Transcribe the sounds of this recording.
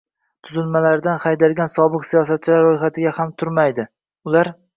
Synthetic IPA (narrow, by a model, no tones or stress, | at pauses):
t̪ʰʊzʊlmalaɾd̪anχajd̪alɡʲansɒbɨqsijɒs̬at̪̚t͡ʃʰɪlaɾːojχat̪ʰɪɡʲahamt̪ʰʊɾmajd̪ɪ | ʊlaɾ